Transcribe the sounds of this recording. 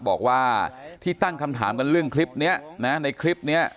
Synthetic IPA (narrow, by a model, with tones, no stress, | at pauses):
bɔː˨˩k̚waː˥˩t̪ʰiː˥˩t̪a˥˩ŋkʰa˧mt̪ʰa̰ː˩˦mka˧nɾɯ˥˩əŋkʰli˦˥p̚ni˦˥ɐna˦˥na˧jkʰli˦˥p̚ni˦˥ɐ